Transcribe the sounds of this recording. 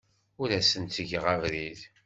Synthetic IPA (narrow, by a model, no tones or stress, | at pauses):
ʊɾæsənt̪əʝʁaʁɾið